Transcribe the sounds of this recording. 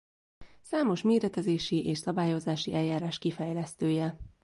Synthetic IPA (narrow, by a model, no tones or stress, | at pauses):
saːmo̞ʃmeːɾɛt̪ɛzeːʃiʔeːʃsɒbaːjo̞zaːʃiʔɛljaːɾaːʃkifɛjlɛst̪øːjɛ